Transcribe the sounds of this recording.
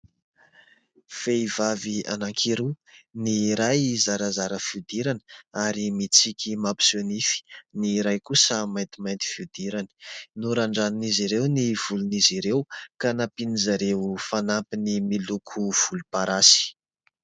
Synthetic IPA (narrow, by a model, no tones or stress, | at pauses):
feivavia̰naŋkʰiɾuniɾajzaɾazaɾəfiwd̪iɾanə̥aɾimit͡sikʰʲimapi̥sonifi̥niɾajkusəmajnt̪imajnt̪i̥fiwd̪̥iɾani̥nuɾaɳɖ͡ʐaniniziɾewniv̥uluniziɾewkanapinizaɾewfanampinimilukʰuv̥ulupaɾasi̥